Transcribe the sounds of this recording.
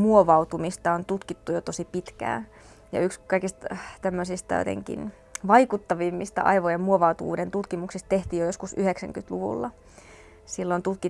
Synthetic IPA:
muoʋɑut̪umist̪ɑont̪ut̪kit̪ːujot̪osipit̪kæ̰ː | jɑ̰ykskɑikist̪t̪æmːøsist̪ɑjo̰t̪ḛŋkḭn | ʋɑikut̪ːɑʋimːist̪ɑ̰ʔɑ̰iʋojemmuoʋɑut̪uʋṵːdent̪ut̪kimuksist̪t̪eht̪iːjojoskusyheksæ̰ŋkyt̪luʋṵlːɑ | silːont̪ut̪ki

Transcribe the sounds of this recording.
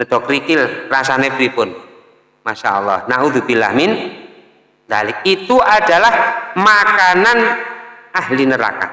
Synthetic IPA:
nəd̪ɔkɾikɪlrasanebɾipʊn | maʃa̰ʔɔlːɑhnaʔuðubila̰mɪn | d̪alɪkit̪uʔad̥a̤lahmakananʔahlinəɾa̰ka̰

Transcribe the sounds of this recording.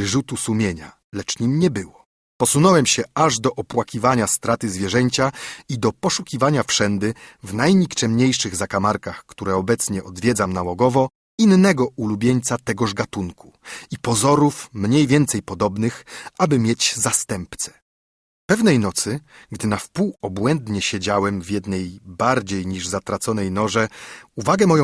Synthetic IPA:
ʐut̪usumʲjeɲa̰ | lɛt͡ʂɲimɲɛbɘwɔ | pɔsunɔwɛmɕɛʔaʐd̪ɔʔɔpwakʲivaɲast̪ɾat̪ɘzvʲjɛʐɛɲt͡ɕaid̪ɔpɔʂukʲivaɲafʂɛnd̪ɘvnajɲikt͡ʂɛmɲejʂɘɣzakamaɾkaxkt̪uɾɛɔbɛt̪sɲɛʔɔd̪vʲjɛd̪zamnawɔɡɔvɔ | inːɛɡɔulubʲjeɲt̪sat̪ɛɡɔʐɡat̪unku̥ipɔzɔɾufmɲejvʲjɛnt̪sɛjpɔd̪ɔbnɘxʔabɘmʲjet͡ɕzast̪ɛmpt̪sɛ̥ | pɛvnɛjnɔt̪sɘɡd̪ɘnafpuwɔbwɛnd̪ɲɛɕed͡ʑawɛmvʲjɛd̪nɛjbaɾd͡ʑejɲiʐzat̪ɾat̪sɔnɛjnɔʐɛuvaɡɛmɔjɔ̃

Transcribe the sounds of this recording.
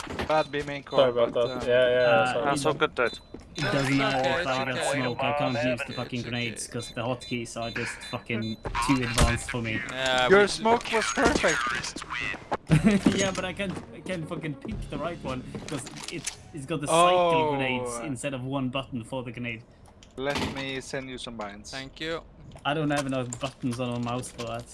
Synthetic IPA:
b̥ad̚bimɪ̃ŋkʰɔobat̪̚ðajæjæ̃soʊɡʊd̚dot | ɪd̥ʌz̃n̩taɪfaɪɡɔtsmoʊkaɪkʰɑ̃ːˑntjʉzðəfʌkɪ̃ŋɡɹɨneɪdz̥kʰʌzðəhɔt̚kʰisə˞d͡ʒʌstfʌkɪ̃ŋtʰʉɨdvæ̃nstfə˞mijə˞smoʊkwʌz̥pʰɜ˞fɪk̚t | jæbʌɾaɪkãnaɪkʰãnfʌkɪ̃npʰɪkðəɹaɪʔ̚wʌ̃nkʰʌzɪtsɪts̬ɡ̥ɔt̚ðəĩɡɹneɪz̥ɪ̃nstɛɾəvwʌ̃nbʌʔn̩fə˞ðəkʰəneɪd̥ | lɛt̚misɛ̃nd͡ʒjɨsʌ̃mbãɪ̃nz̥kj | aɪdõʊ̃ntɛvənoʊðəbʌʔn̩zn̩əmaʊsfə˞ðæt

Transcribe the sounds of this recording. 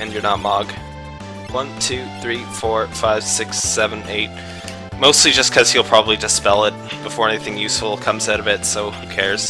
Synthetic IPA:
ɨ̃njə˞nət̚mɑɡ̥ | wʌ̃ntʰʉθɹifɔɹfaɪv̥sɪksɛvə̃neɪt̚ | moʊstˡlid͡ʒʌskʰʌz̥hil̩ˠpʰɹ̥ɑbəblidɨspɛlˠɪt̚b̥əfɔɹɛniθɪ̃ŋjʉsfl̩ˠkʰʌ̃mzaʊɾʌvɪtsoʊhʉkʰɛɹz̥

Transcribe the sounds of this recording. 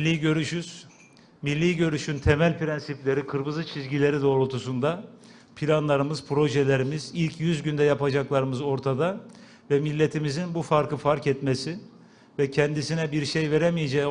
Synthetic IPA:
lʲːiɟø̞ɾyʃyz̥ | milʲːiːɟø̞ɾyʃynt̪ʰe̞mælʲpʰɾɛnsiplʲe̞ɾikʰɯɾbɯzɯt͡ʃʰizɟilʲe̞ɾid̪o̞ːɾut̪ʰusund̪a | pʰilʲanlˠaɾɯmɯz̥pʰɾo̞ʒɛlʲe̞ɾimizilʲcʰjyzɟynd̪ɛjapad͡ʒaklˠaɾɯmɯzo̞ɾt̪ʰad̪a | vɛmilʲːe̞t̪ʰimizinbufaɾkʰˠɯfaɾkɛt̪mesi | vɛcʰɛnd̪isinɛbiɾʃejve̞ɾɛmijed͡ʒɛ

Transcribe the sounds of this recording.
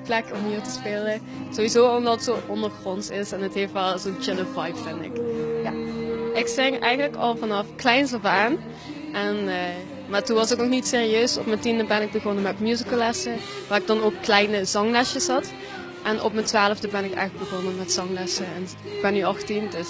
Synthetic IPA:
plɛkɔmɦiːɹtəspeːlə | z̥oʋizoːɔmdɑətsoːʔɔndəɹxrɔnsɪsɛnətɦeːftʋɛlˠzoːnt͡ʃɪləvɑjpfɪndɪ̰kjaʔɪksɪŋɛ̰jɣənləkɑ̰lˠvɑnɑfklɛjnsɔvaːn | ʔɛnə | maːɹtunʋɑsoknɔxnitseːriøːsɔ̰pmətindəbɛnɪɡ̚bəɣɔnəmɛtmjuzikəlˠɛsə | ʋaːrɪɡ̚dɑnoːkːlɛjnəzɑŋlɛsjəsɦɑt | ʔɛnʔɔ̰pmətʋaːləvdəbɛnɪkɛ̰jxləɡbəɣɔnəmɛtsɑŋlɛsəɛn | ɪɡ̚bɛnːyɑxtimdøs

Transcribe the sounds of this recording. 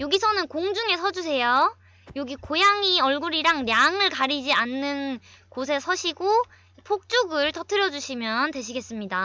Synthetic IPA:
joɡisʰʌnɯnkoŋd͡ʑuŋe̞sʰʌd͡ʑusʰe̞jo | joɡikojaŋiʌɭɡuɾiɾaŋnjaŋɯɭkaɾid͡ʑianːɯnkosʰe̞sʰʌɕʰiɡo | pʰok̚t͡ɕ͈uɡɯɭtʌtʰɯɾjʌd͡ʑuɕʰimjʌntwe̞ɕʰiɡe̞s͈ɯmɲida

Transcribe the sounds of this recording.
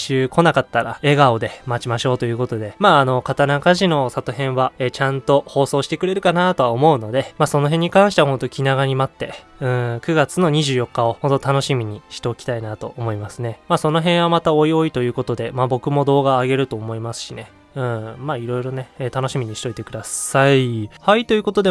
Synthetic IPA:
ɕɨːkʰo̞nakat̪ːaɾa̰e̞ɡao̞d̪e̞mat͡ɕimaɕo̞ːt̪o̞jɯ̟ːko̞t̪o̞d̪e̞maːno̞kat̪anakaʑino̞sat̪oɦẽ̞ɰ̃βaeːt͡ɕãnt̪o̞ho̞ːso̞ːɕi̥t̪e̞kɯ̟ɾe̞ɾɯ̟kanat̪o̞βaomo̞ɯ̟no̞d̪e̞maːso̞no̞ɦẽɲ̟ːikãɰ̃ɕi̥t̪eahõ̞nt̪okʲʰinaɣaɲ̟imat̪ːe̞ | ɯ̟̃ɰkɯ̟ɡat͡sɨno̞ɲ̟iʑɨːjo̞kːao̞ho̞nt̪ːot̪ano̞ɕimʲiɲ̟iɕi̥t̪e̞okʲi̥t̪ainat̪o̞̰ʔomo̞imasɨne̞maːso̞no̞ɦẽ̞ɰ̃βamat̪ao̞io̞it̪o̞jɯ̟ːko̞t̪o̞d̪e̞mabo̞kɯ̟mo̞d̪o̞ːɡaːɡe̞ɾɯ̟t̪o̞ːmo̞imasɨ̥ɕine̞ | ɯ̟̃maːiɾo̞iɾo̞ne̞t̪anoɕimʲiɲ̟iɕi̥t̪o̞it̪e̞kɯ̟d̪asaihait̪o̞jɯ̟ko̞t̪o̞d̪e

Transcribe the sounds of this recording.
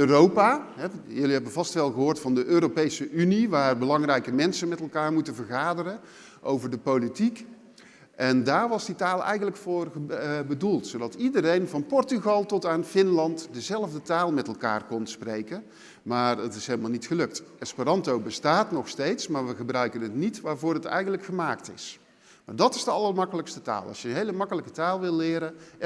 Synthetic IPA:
øːrowpaɦɛjɵliɦɛbənvɑstʋɛlˠɣəɦoːɹtfɑndəʔøːɾopejsəʔyniʋaːrbəlɑŋrɛjkəmɛnsənmɛtɛlˠkaːɹmutənvəɹɣaːdərə | ʔowvəɹdəpowlitik | ʔɛndaːɹʋɑzditaːlˠɛ̰jɣənləkfoːrbədulˠtsowdɑtidərejnvɑnpɔɹtyɣɑlˠtɔtaːnfɪnlɑntdəzɛlˠəvdətaːlˠmɛtɛlˠka̰ːrkɔnsprejkən | maːrətɪsɦelˠəmaːlˠnitxəlɵk̚tɛspirɑntowbəstaːtnɔxstejtsmaːɹʋəɣəbrœɥkənətnitʋaːɹvʊːrətɛ̰jɣəndləkxəmaːktɪ̰s | ma̰ːɹdɑtɪ̥zdəɑlˠərmɑkələkstəta̰ːlˠɑ̰sjəənɦejləmɑkələkətaːlˠʋɪlˠːɪːɾə

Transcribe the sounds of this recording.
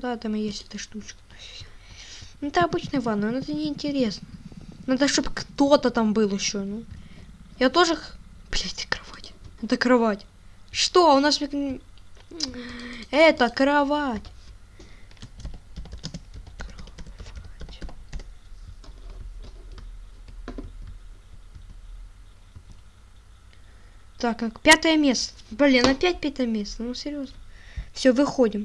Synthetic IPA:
d̪aɛt̪amjesʲlʲɪt̪ɨʂt̪ut͡ɕk̪ | ɛt̪əɐbɨt͡ɕnəjəvanːojnɛt̪ənʲɪɪnʲtʲɪɾʲesnənad̪əʂt̪obkt̪ot̪ət̪ambɨlˠɪɕːonu | jat̪o̞ʐɨxplʲet̪ʲɨ̥kɾɐvḁtʲɛt̪əkɾɐvatʲ | ʂt̪oʊnasmʲk | ɛt̪əkɾɐvatʲ | kɾvatʲ | t̪akkpʲat̪əjəmʲe̞st̪ə̥bɐlʲenɐpʲæt̚ʲpʲæt̪əjəmʲe̞st̪ənusʲɪɾʲjo̞znəfsʲɵvɨxodʲɪm

